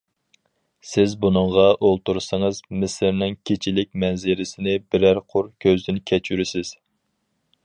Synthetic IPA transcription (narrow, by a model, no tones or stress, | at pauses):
sɪzbunɨŋʁɑʔolˠt̪uɾsɑŋəzmɪsɪɾnɪŋkʲʰet͡ʃʰilɪk̚ʲmɛnzɪɾɪsɪnɪbɪɾæɾqʰʊɾkʲʰøzd̪ɪnkʲʰɛt͡ʃʰyɾɪsɪz̥